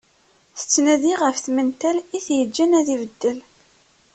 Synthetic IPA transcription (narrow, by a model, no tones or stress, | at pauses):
θə̥t͡sːnæðiʁəfθmənt̪æliθjəd͡ʒːænæðivəd̪ːəl